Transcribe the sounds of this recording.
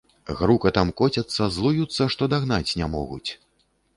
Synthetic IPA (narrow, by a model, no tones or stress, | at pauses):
ɣɾukɐt̪amkɔt͡sʲɐt̪sːɐzlˠujut̪sːɐʂt̪ɔd̪aɣn̪at͡sʲnʲamɔ̰ɣṵt͡sʲ